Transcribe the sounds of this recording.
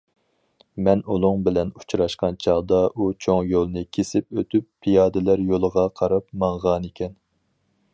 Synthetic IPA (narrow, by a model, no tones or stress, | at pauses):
mɛnulˠʊŋbɪlɛnu̥t͡ʃʰɾɑʃqɑnt͡ʃʰɑʁd̪ɑut͡ʃʰoŋjolˠnɨkʲʰesɪpøt̪ʰypːʰijɑːd̪ɪlæɾjolˠəʁɑqʰɑɾɑpmɑŋʁɑnekʲʰɛn